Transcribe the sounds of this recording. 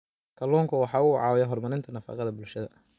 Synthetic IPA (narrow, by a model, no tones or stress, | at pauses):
kʰɐlɔːŋkʰʊwɑħɑːʊwɑʕɑːwjɛɦɔrmɐlɪnt̪ʰɐnɐfɑ̰ːqɑðɐbʊlʃɐðɐ̰